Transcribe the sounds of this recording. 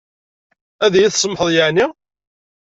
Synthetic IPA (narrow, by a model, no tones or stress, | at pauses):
æðæjiθsˤəmħəðˤjəʕni